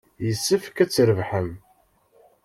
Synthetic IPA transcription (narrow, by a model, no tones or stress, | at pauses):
jəsːəfkæt͡sːɾəvħəm